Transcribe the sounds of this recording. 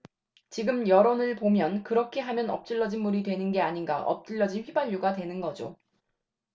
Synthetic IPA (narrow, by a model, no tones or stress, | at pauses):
t͡ɕiɡɯmjʌɾonɯɭpomjʌnkɯɾʌkʰe̞ɦamjʌnʌ̰p̚t͡ɕ͈ɯɭːʌd͡ʑinmuɾidwe̞nɯnɡe̞aɲinɡa̰ʔʌ̰p̚t͡ɕ͈ɯʎːʌd͡ʑinɸibaʎːuɡatwe̞nɯnɡʌd͡ʑo